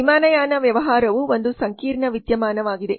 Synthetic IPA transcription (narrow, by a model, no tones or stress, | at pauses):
imaːnɐjaːnɐʋjɐʋɐɦaːɾɐʋuond̪usɐŋkiːɾɳɐʋid̪jɐmaːnɐʋaːɡid̪e̞